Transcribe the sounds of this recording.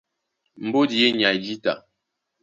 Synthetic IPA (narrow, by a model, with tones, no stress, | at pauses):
m̩˨bo˦di˨e˦ɲa˨d͡ʒi˦ta˨